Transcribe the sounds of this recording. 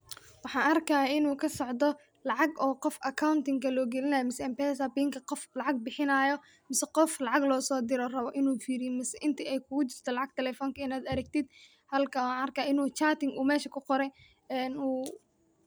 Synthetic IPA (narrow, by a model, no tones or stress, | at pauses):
wɑħɑːnʔɐrkʰɐɪnuːkʰɐsɔʕd̪ɔ | lɑʕɑɡɔːqɔfɐkʰawnt̪ɪŋkʰɐlɔːɡɛlɪnɐːjɔmɪsɛɛmpɛsabiːŋkʰɐqɔflɑʕɑɡ̚bɪħɪnɐːjɔ | mɪsɛqɔflɑʕɑɡlɔːsɔːd̪ɪɾɔrɐβɔʔɪnuːfiːɾɪjɛmɪsɛʔɪnt̪ʰiɛjkʰʊɡʊt͡ʃɪrt̪ʰɔlɑʕɑɡ̚t̪ʰɛlɛfɔːŋkʰɐɪnaːd̪ɐɾɐɡ̚t̪ʰɪd̪̚ | hɐlkʰɐwnɐrkʰɐɪnuːt͡ʃaːt̪ɪŋɡʔuːmɛːʃɐkʰʊqɔɾɛj | ɛnuː